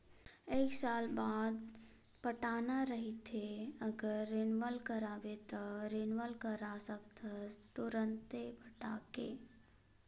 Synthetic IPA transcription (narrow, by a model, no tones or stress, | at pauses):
eːksaːlbaːd̪ | pəʈaːnaɾəɦit̪ʰeəɡəɾːeːnʋəlkəɾaːbet̪oɾenʋəlkəɾasək̚t̪at̪ʊɾə̃nt̪epəʈaːkeː